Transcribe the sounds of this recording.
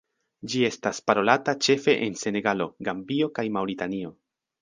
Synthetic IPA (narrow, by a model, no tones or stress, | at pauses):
d͡ʒie̞staspaɾo̞latat͡ʃe̞fe̞ʔense̞ne̞ɡalo̞ɡambio̞kajmawɾitanio̞